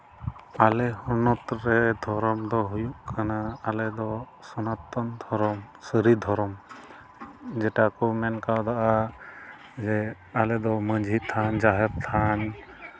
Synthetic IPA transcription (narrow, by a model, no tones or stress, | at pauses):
alɛhɔɾnɔt̪ɾɛd̪ʱɔɾɔmd̪ɔɦujuʔkʰanaːlɛd̪ɔ | sɔnat̪ːɔnd̪ʱɔɾɔm | səɾid̪ʱɔɾɔm | d͡ʒɛʈakɔmɛnkawd̪aʔa | d͡ʒɛ | alɛd̪ɔməd͡ʒʱit̪ʰand͡ʒaɦɛɾt̪ʰan